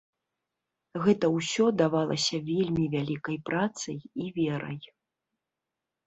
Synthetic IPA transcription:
ɣɛt̪ɐwsʲɔd̪avalˠɐ̰sʲɐvʲelʲmʲivʲalʲikɐjpɾat̪sɐjivʲɛɾɐ̰j

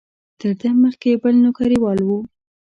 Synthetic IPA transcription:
t̪əɾd̪əməxkebəlnʊkɑɾiwɑlwu

